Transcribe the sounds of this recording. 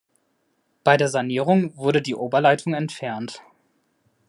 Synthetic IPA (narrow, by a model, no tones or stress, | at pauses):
b̥aɪdeːɐzaniːʁ̞ʊŋvʊɐɾədiːʔoːbɐlaɪtʰʊŋɛntfɛɐnt